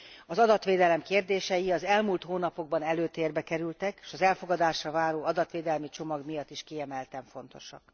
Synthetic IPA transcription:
ɒzɒd̪ɒt̪ʋeːd̪ɛlɛmkeːrd̪eːʃɛjiɒzɛlmult̪hoːnɒpo̞ɡ̚bɒnɛløːt̪eːrbɛkɛɾylt̪ɛkːʃɒzɛlfo̞ɡɒd̪aːʃrɒvaːɾoːɒd̪ɒt̪ʋeːd̪ɛlmit͡ʃo̞mɒɡmijɒt̪ːiʃkiɛmɛlt̪ɛɱfo̞nt̪o̞ʃɒ̰k

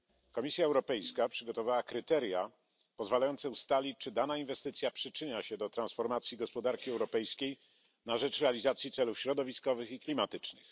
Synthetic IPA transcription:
kɔmʲisʲjaɛwɾɔpɛjskapʂɘɡɔt̪ɔvawakɾɘt̪ɛɾja | pɔzvalajɔnt̪sɛust̪alʲit͡ɕt͡ʂɘd̪anainvɛst̪ɘt̪sʲjapʂɘt͡ʂɘɲaɕɛd̪ɔt̪ɾansfɔɾmat̪sʲjiɡɔspɔd̪aɾkʲiɛwɾɔpɛjskʲej | naʐɛt͡ʂɾɛalʲizat̪sʲjit̪sɛlufɕɾɔd̪ɔvʲiskɔvɘxiklʲimat̪ɘt͡ʂnɘ̰x

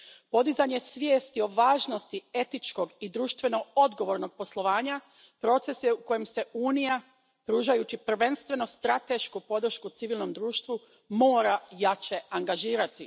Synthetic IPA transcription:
po̞d̪izaɲe̞sʋje̞ːst̪io̞ʋaːʒno̞st̪ie̞t̪it͡ʃko̞ɡid̪ɾuːʃt̪ʋe̞no̞o̞d̪ɡo̞ʋo̞ɾno̞ɡ̚po̞slˠo̞ʋaːɲa | pɾo̞t̪se̞sjeuko̞jemse̞ʔuːnija | pɾuːʒajut͡ɕipr̩ʋe̞nst̪ʋeno̞st̪ɾat̪e̞ʃkupo̞d̪ɾ̩ʃkut̪siʋilˠno̞md̪ɾuːʃt̪ʋu | mo̞ːɾajat͡ʃe̞aŋɡaʒiːɾat̪i

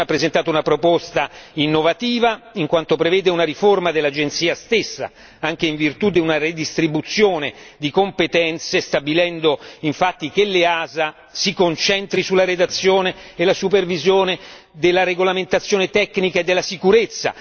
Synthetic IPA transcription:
apːɾezent̪aːt̪ounapɾopɔst̪ainːovat̪iːvaiŋkwant̪opɾevɛːd̪eunaɾiformad̪elːad͡ʒent̪siːast̪esːa̰ | aŋk̟eiɱvirt̪ud̪iunared̪ist̪ɾibut̪sːjoːned̪ikompet̪ɛnt̪sest̪abilɛnd̪oiɱfat̪ːik̟elːeaːza | sikont͡ʃɛnt̪ɾisulːaɾed̪at̪sːjoːneːlasupervizjoːne | d̪elːaɾeɡolament̪at̪sːjoːnet̪ɛkːnikaed̪ːelːasikuɾet̪sːa̰

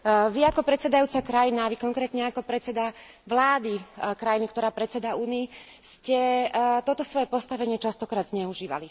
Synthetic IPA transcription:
ʋiakɔpɾɛt̪sɛd̪ajuːt͡sakɾajinaʋikɔŋkɾɛːt̪ɲɛakɔpɾɛt̪t͡sɛd̪a | ʋlaːd̪ikɾajinikt̪ɔɾaːpɾɛt̪t͡sɛd̪auːniːscɛt̪ɔt̪ɔsʋɔjɛpɔst̪aʋɛɲɪɛt͡ʃast̪ɔkɾaːd̪zɲɛuʒiːʋa̰li

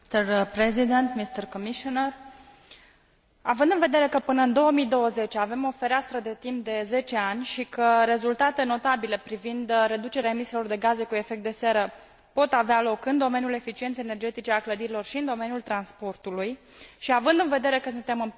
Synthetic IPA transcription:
t̪ərpɾezid̪ent̪mist̪ərkomiʃonər | avɨnd̪ɨnve̞d̪e̞ɾe̞kəpɨnəɨnd̪o̞wəmid̪o̞wəze̞t͡ʃave̞mo̞fe̞ɾeast̪ɾəd̪e̞t̪imp̚d̪e̞ze̞t͡ʃe̞anʲʃikəɾe̞zult̪at̪e̞no̞t̪abile̞pɾivind̪ɾe̞d̪ut͡ʃe̞ɾeaemisilo̞rd̪e̞ɡaze̞kue̞fek̚t̪d̪e̞seɾə | po̞t̪avealo̞kɨnd̪o̞me̞njule̞fit͡ʃient̪sejene̞rd͡ʒe̞t̪it͡ʃealkləd̪iɾilo̞rʃiɨnd̪o̞me̞njult̪ɾanspo̞rt̪uluj | ʃiavɨnd̪ɨnve̞d̪e̞ɾe̞kəsɨnt̪e̞mɨn

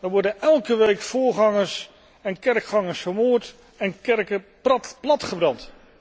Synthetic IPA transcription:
dəɹʋɔɹdənɛlˠkəʋejkfʊːɹχɑŋəɹs | ɛnkɛɹkχɑŋəɹsfəɹmoːɹt | ɛnkɛɹkə | plɑtχəbrɑnt

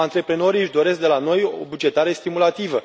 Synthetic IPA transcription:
ant̪ɾe̞pɾe̞no̞ɾijɨʃd̪o̞ɾe̞sk̚d̪e̞lano̞jo̰bud͡ʒe̞t̪aɾe̞st̪imulat̪ivə

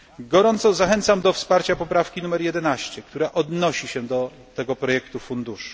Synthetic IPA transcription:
ɡɔɾɔnt̪sɔzaxɛnt̪samd̪ɔfspaɾt͡ɕapɔpɾafkʲinumɛɾjɛd̪ɛnaɕt͡ɕɛk̚t̪uɾaʔɔd̪nɔɕiɕɛd̪ɔ | t̪ɛɡɔpɾɔjɛkt̪ufund̪uʂu̥

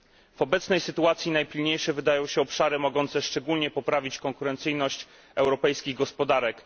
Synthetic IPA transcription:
v̥ɔbɛt̪snɛjsɘt̪uat̪sʲjinajpʲilɲejʂɛvɘd̪ajɔ̃w̃ɕɛɔpʂaɾɘmɔɡɔnt̪sɛʂt͡ʂɛɡulɲɛpɔpɾavʲit͡ɕkɔŋkuɾɛnt̪sɘjnɔɕt͡ɕ | ɛwɾɔpɛjskʲiɣɡɔspɔd̪aɾɛk

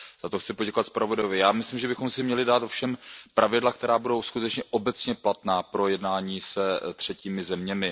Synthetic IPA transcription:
z̥at̪oxt͡sɪpoɟɛkovat̪spɾavodajovɪjaːmɪslimʒɛbɪxomsɪmɲɛlɪdaːt̪o̞fʃɛmpɾʔavɪdlak̚t̪ɛɾaːbudo̞wskut̪ɛt͡ʃɲɛʔo̞bɛt͡sɲɛplat̪naːpɾo̞jɛdnaːɲiːsɛt̪r̝̥ɛciːmɪzɛmɲɛmɪ

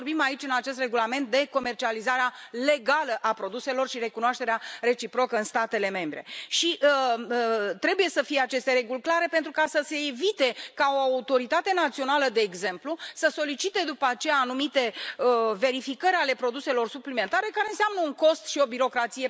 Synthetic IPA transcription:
orbimait͡ʃʲɨnat͡ʃe̞s̬t̪re̞ɡulame̞nt̪̚d̪e̞ko̞me̞rt͡ʃializaɾeale̞ɡaləʔapɾo̞d̪use̞lo̞rʃiɾe̞kunoaʃt̪e̞ɾeare̞t͡ʃipɾo̞kəɨnst̪at̪e̞le̞me̞mbɾe̞̰ʃiʔə | t̪ɾe̞buje̞səfije̞at͡ʃe̞st̪e̞ɾe̞ɡulʲklaɾe̞pe̞nt̪ɾukasəse̞ːvit̪e̞kao̞aut̪o̞ɾit̪at̪e̞nat̪sio̞naləd̪e̞ːɡze̞mplusəso̞lit͡ʃit̪e̞d̪upəat͡ʃejaːnumit̪e̞əve̞ɾifikəɾʲale̞pɾo̞d̪use̞lo̞rsuplime̞nt̪aɾe̞kaɾe̞ɨnseamnəuŋko̞st̪ʃio̞biɾo̞kɾat̪sije̞

